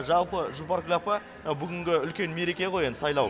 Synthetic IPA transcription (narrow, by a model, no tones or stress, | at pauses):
ʒɑlˠpəʒupaɾklʲapə | ɑwbʏɡʲɪŋɡʲɪʏlkʲe̞nme̞ɾe̞kʲe̞qʰo̞jend̪sɑjlˠɑw